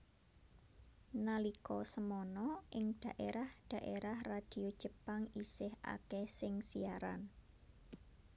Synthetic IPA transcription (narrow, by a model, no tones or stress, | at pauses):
nalikɔsəmɔnɔʔɪŋd̪̥ä̤ʔeɾahd̪̥ä̤ʔeɾahrad̥i̤od̥ʒ̥ə̤paŋisɪha̰kɛsɪŋsiaɾa̰n